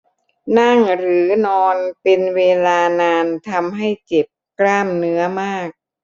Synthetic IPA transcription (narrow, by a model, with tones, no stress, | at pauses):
na˥˩ŋɾɯː˩˦nɔː˧npe˧nweː˧laː˧naː˧nt̪ʰa˧mɦa˥˩jt͡ɕe˨˩p̚kɾaː˥˩mnɯ˦˥ɐmaː˥˩k̚